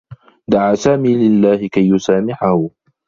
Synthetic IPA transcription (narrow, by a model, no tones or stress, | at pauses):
d̪aʕaːsaːmiːlɪlːaːhɪkajːʊsaːmɪħahʊ